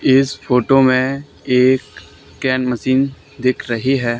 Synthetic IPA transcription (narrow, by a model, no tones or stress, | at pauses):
ɪsfoːʈomẽ | eːkː | ɛːnməsiːn | d̪ɪkʰɾɐɦiɦɛː